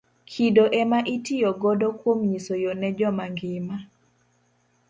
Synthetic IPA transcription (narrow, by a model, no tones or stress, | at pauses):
kʰidoʔɛmaʔitijɔɡɔdɔkwomɲisojonɛd͡ʒɔmaŋɡɪma